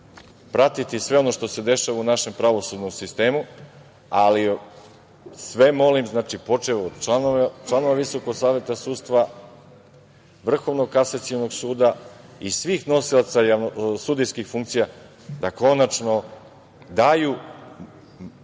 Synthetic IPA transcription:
pɾat̪it̪isʋe̞o̞no̞ʃt̪o̞se̞d̪e̞ʃaʋaunaʃe̞mpɾaʋo̞sud̪nomsist̪e̞ːmu | ali | sʋe̞mo̞limznaːt͡ʃipo̞t͡ʃeʋod̪t͡ʃlanoʋt͡ʃlˠano̞ʋaʋiso̞ko̞ɡsaːʋjet̪asuːd̪st̪ʋa | ʋr̩xo̞ʋnoɡkasat̪siono̞ɡsuːd̪aisʋiːxno̞silˠat̪sajaʋnosud̪ijskixfuŋkt̪sija | d̪ako̞nat͡ʃno̞ | d̪aju

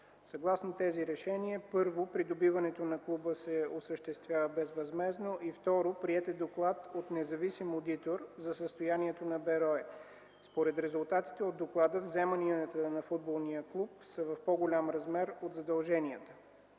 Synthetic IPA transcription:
sɐɡlˠasnot̪ɛziɾɛʃɛniəpɤɾvopɾid̪obivɐnɛt̪onɐklˠubəsɛosəʃt̪ɛst̪vʲjavəbɛzvɐzmɛznoʔift̪ɔɾopɾiɛt̪ɛd̪oklˠat̪ot̪nɛzɐvisimod̪it̪oɾzɐsəst̪ojaniɛt̪onɐbɛɾɔɛ | spoɾɛt̪ɾɛzʊlˠt̪at̪i̥t̪ɛod̪ːoklˠad̪əvzɛməniət̪ənɐfud̪̚bolˠnijəklˠup̚səvɐfpɔɡolʲamɾɐzmɛɾod̪zɐd̪ɐlˠʒɛniət̪ə̥

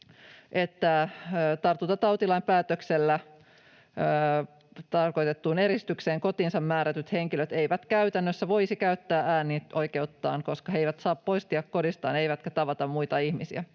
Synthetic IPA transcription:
ʔet̪ːæt̪ɑrt̪ːut̪ɑt̪ɑwt̪ilɑimpæːt̪økselːæ | t̪ɑrko̞jt̪et̪ːuːneɾist̪ykseːŋko̞t̪iːnsɑmmæːɾæt̪yt̪heŋkiløt̪ejʋæt̪kæyt̪ænːøsːæʋo̞isikæyt̪ːæːæːniʔojkeut̪ːɑ̰ːŋko̞skɑɦe̞jʋæt̪sɑːppo̞ist̪iɑkko̞dist̪ɑ̰ːnejʋæt̪kæt̪ɑʋɑt̪ɑmmujt̪ɑihmisḭæ̰

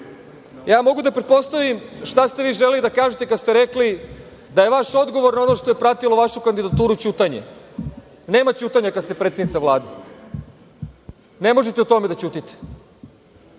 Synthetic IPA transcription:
jaːmo̞ɡud̪apɾe̞t̪̚po̞st̪aʋimʃt̪ast̪e̞ʋiːʒelelid̪akaːʒet̪e̞kad̪st̪e̞ɾekli | d̪ajeʋaʃo̞d̪ɡo̞ʋo̞ɾnao̞no̞ʃt̪o̞je̞pɾat̪ilˠoʋaʃukand̪id̪at̪uːɾut͡ɕuːt̪aɲḛ | ne̞ːmat͡ɕuːt̪aɲakad̪st̪epɾet̪enit̪saʋlˠaːd̪e | ne̞mo̞ʒet̪eut̪o̞med̪at͡ɕuːt̪it̪e̥

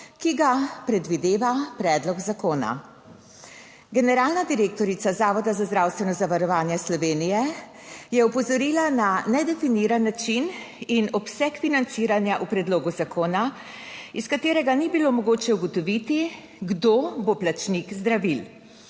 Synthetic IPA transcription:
kiɡapɾɛd̪ʋid̪eːʋapɾɛːd̪lɔɡzakoːna̰ | ɡɛnɛɾaːlnad̪iɾeːk̚t̪ɔɾit̪sazaːʋɔd̪azazd̪ɾawst̪ʋɛnɔzaʋaɾɔʋaːnjɛslɔʋeːnijɛ | jɛupɔzɔɾiːlananɛd̪ɛfiniːɾanːat͡ʃin | inɔpsɛkfinant̪siːɾanjaʔupɾɛd̪loːɡuzakʰoːna | iskat̪eːɾɛɡanibilomɔɡoːt͡ʃɛuɡɔt̪ɔʋit̪i | ɡd̪oboplat͡ʃnikzd̪ɾaʋil

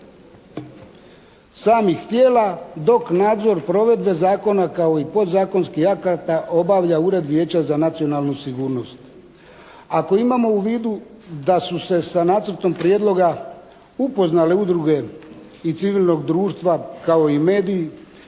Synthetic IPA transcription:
saːmixt̪je̞ːlad̪o̞knaːd̪zo̞ɾpɾo̞ʋe̞d̪be̞zaːko̞nakao̞ipo̞d̪zaːko̞nskihakat̪aʔo̞baʋʎauɾe̞d̪ʋje̞ːt͡ɕazanat̪sio̞nalˠnusiɡuːɾno̞st̪ | ako̞imamo̞uʋiːd̪u | d̪asuse̞sanaːt̪sər̩t̪o̞mpɾjeːd̪lˠo̞ɡa | upo̞znale̞ud̪ɾuɡe̞ | it̪siʋiːlno̞ɡd̪ɾuːʃt̪ʋakao̞ime̞ːd̪iː

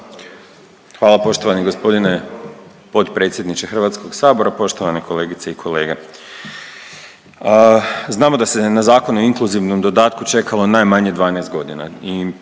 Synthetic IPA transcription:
xʋaːlapo̞ʃt̪o̞ʋaniɡo̞spo̞d̪ine̞ | po̞t̪pɾe̞ːt̪sjed̪nit͡ʃexr̩ʋaːt̪sko̞ɡsaːbo̞ɾapo̞ʃt̪oʋanekʰo̞le̞ːɡit̪seikʰo̞le̞ːɡe | znaːmod̪ase̞nazaːko̞noiŋkluziʋnomd̪o̞d̪aːt̪̚kut͡ʃe̞kʰalˠo̞najmaɲe̞d̪ʋaːnest̪̚ɡo̞d̪ina̰i

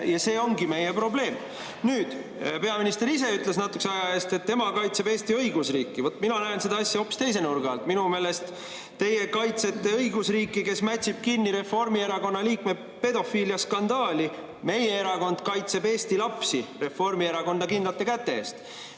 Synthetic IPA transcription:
jɑse̞ːo̞ŋɡime̞jepro̞ble̞ːm | nyːd̪̥ | pe̞ɑminist̪e̞ɾis̬e̞yt̪ˑles̬nɑt̪ːˑuksɑjɑe̞ːst̪e̞t̪ːe̞mɑkɑjt̪se̞be̞ːst̪iɤ̞jɡusriːkːˑivo̞t̪ːˑminɑnæense̞d̪ɑɑsʲjɑo̞pːˑi̥st̪e̞js̬e̞nurɡɑlt̪minume̞ːle̞st̪ | t̪ːe̞jekɑjt̪se̞t̪ːe̞ɤjɡusriːkːˑike̞smæt̪ʲsib̥̚kinːiɾe̞fo̞rmie̞ɾɑko̞nːɑliːkme̞ | pe̞d̪o̞fiːljɑskɑnd̪ɑːlʲi | me̞jeeɾɑko̞nd̪̥kɑjt̪se̞be̞ːst̪ilɑpsire̞fo̞rmie̞ɾɑko̞nd̪ɑkind̪lɑt̪ːˑekæt̪ːe̞eːst̪

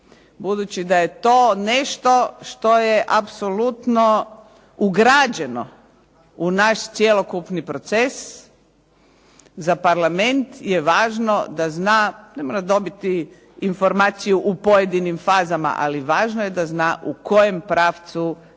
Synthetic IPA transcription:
bud̪ut͡ɕid̪ajet̪oːneʃt̪o̞ʃt̪o̞jeʔapsolut̪no | uɡɾaːd͡ʑe̞no̰ | unaʃt̪sjelˠokupnipɾo̞t̪ses | zapaɾlament̪jeʋaːʒnod̪aznaːnemoːɾad̪o̞bit̪iː | nfo̞ɾmaːt̪sijuʔupojed̪inimfaːzama̰ʔa̰liʋaːʒnojed̪aznaːʔuko̞jempɾaːft̪su

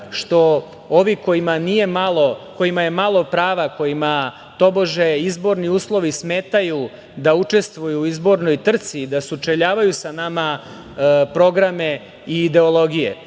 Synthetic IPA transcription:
ʃt̪o̞ | o̞ʋiko̞imanije̞malˠo̞ko̞jimaje̞malˠo̞pɾaːʋako̞jima | t̪o̞bo̞ʒeizbo̞ɾniuːslˠo̞ʋismeːt̪aju | d̪aut͡ʂe̞st̪ʋujuizbo̞ɾno̞jt̪r̩t̪siːd̪asut͡ʃeʎaːʋajusanama | pɾo̞ɡɾame | iːd̪e̞olˠo̞ɡijḛ

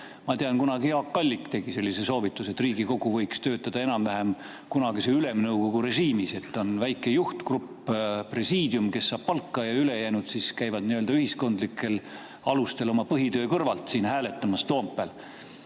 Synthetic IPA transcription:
mɑt̪eɑnkunɑɡiɑkːɑlʲːikt̪e̞ɡ̥ise̞lʲːiseso̞ːvit̪ːˑuse̞t̪ːˑriːɡiko̞ɡ̥uvɤjkst̪ø̞ːt̪ːˑɑd̪̥ɑe̞nɑmvæɦem | kunɑɡiseyle̞mnɤwɡ̥o̞ɡuɾe̞ʒiːmise̞t̪ːo̞nvæjkːˑe̞juht̪krupː | pre̞siːd̪̥jumke̞sːɑːb̥̚pɑlkˑːɑjɑyle̞jæːnud̪̥siːskæjvɑd̪niøld̪ɑyhisko̞nd̪likːˑe̞l | ɑlust̪e̞lo̞mɑpɤɦit̪ø̞ːkɤrvɑlt̪siːnɦæːle̞t̪ːˑɑmɑst̪o̞ːmpːˑel

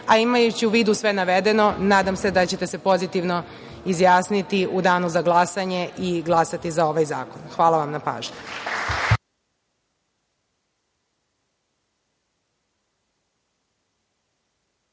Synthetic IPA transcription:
aimajut͡ɕiuʋiːd̪usʋe̞naʋe̞d̪e̞no̞naːd̪amse̞d̪at͡ɕe̞t̪ese̞po̞zit̪iʋno̞ | izjaːsnit̪iud̪aːnuzaɡlˠasaɲe̞ʔiɡlˠasat̪izao̞ʋajza̰ːko̞nxʋaːlˠaʋamnapa̰ːʒɲu

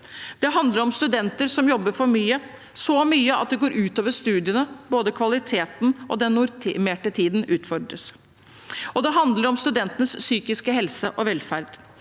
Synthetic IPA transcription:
d̪̥ɛɦɑnd̪ləɾɔmst̪ʉd̪ɛnt̪əɾsɔmjɔbːəɾfɔɾmyːə | sɔmyːəɑ̰t̪̚d̪ɛɡoːɾʔʉːt̪oːʋəʂt̪ʉːd̪ɪənəboːd̪əkʰʋɑlɪt̪ʰeːt̪nʔɔ̰d̪ɛnːʊɾt̪ʰmeːʈət̪ʰiːd̪nʉːt̪fɔɖ̪ɾə̰s | ɔd̪ɛɦɑnd̪ləɾɔmst̪ʉd̪ɛnt̪ənəsːyːkɪskəɦɛlsəʔɔʋɛlfæɾd̪̥

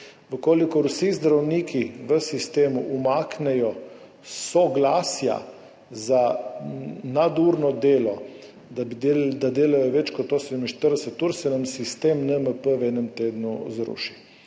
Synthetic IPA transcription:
ʋəkoːlikɔɾusizd̪ɾawniːkʰiʋəsist̪eːmuʔumaknɛjɔ | sɔɡlaːsja̰ | za | nad̪uɾnɔd̪eːlɔ | d̪abid̪ed̪ad̪eːlajɔʋɛt͡ʃkɔt̪ːoːsed̪əminʃt̪əɾd̪ɛsət̪ːuɾsɛnamsist̪eːmnɛməpəwɛnəmt̪eːd̪nuzɾṵʃi

